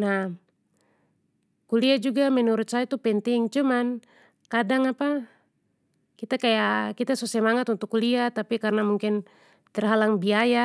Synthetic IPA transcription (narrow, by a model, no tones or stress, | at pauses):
na | kuliad͡ʒuɡamɛnuɾut̪̚saat̪upɛnt̪iŋt͡ʃuman | kadaŋapa | kit̪akajakit̪asusɛmaŋat̪unt̪ukːuliat̪apikarnamuŋkin | t̪ɛrɦalaŋbiaja